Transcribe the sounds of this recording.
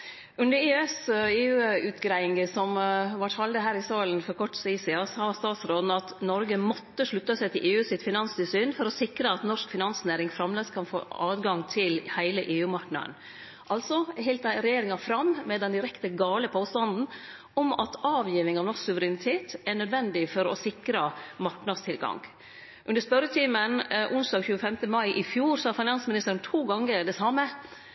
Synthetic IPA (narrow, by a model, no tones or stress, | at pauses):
ʉnd̪əɾeːɛseːʉːʉːt̪ɡɾæɪɪŋəsɔmʋɑʈʰɑld̪əɦæːɾɪsɑːlən̩fɔɾkʰɔʈsisɪɑːsɑːst̪ɑːt̪sɾoːd̪nəɑt̪nɔɾɡəmɔt̪ːəʂɭʉt̪ːəsæɪt̪ʰɪlʔeːʉːsɪt̪fɪnɑnst̪ɪsyːnfɔɾɔsɪkɾəɑt̪nɔʂkfɪnɑnsneːɾɪŋfɾɑmleːskʰɑnfo̰ːɑːd̪ɡɑŋt̪ʰɪlhæɪləʔeːʉːmɑɾknɑ̰n | ʔɑlt̪sɔɦɪlt̪ɑɾɛjeːɾɪŋɑfɾɑmmɛd̪ɛnd̪ɪɾɛkt̪əɡɑːləpʰoːst̪ɑnd̪n̩ | ɔmɑ̰t̪ɑːʋjiːʋɪŋɑʋnɔʂksʉʋəɾɪnɪt̪ʰeːt̪ɛɳœd̪ʋɛnd̪ɪfɔɾɔ̰sɪkɾəmɑɾknɑd̪st̪ʰɪlɡɑ̰ŋ | ʔʉnd̪əspœɾət̪ʰiːmənʔʊnsd̪ɑːɡçʉːəfɛmt̪əmɑɪʔɪfjuːɾsɔhɑɾfɪnɑnsmɪnɪst̪əɾənt̪ʰuːɡɑŋːəɾɖ̪ɛsɑmːə